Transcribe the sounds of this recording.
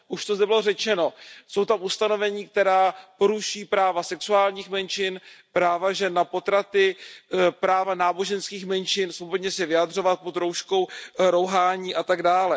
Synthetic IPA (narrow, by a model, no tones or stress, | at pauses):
ʔuʃt̪ozd̪ɛbɪlorɛt͡ʃɛno̞so̞wt̪amust̪ano̞vɛɲiːk̚t̪ɛɾaːpo̞ɾuʃiːpɾaːvasɛksuaːlɲiːxmɛnt͡ʃɪnpɾaːvaʒɛnːapo̞t̪ɾat̪ɪ | pɾaːvanaːbo̞ʒɛnskiːxmɛnt͡ʃɪnsobodɲɛsɛvɪad̪r̝o̞vat̪̚pod̪ɾowʃko̞wɾo̞wɦaːɲiːʔat̪aɡdaːlɛ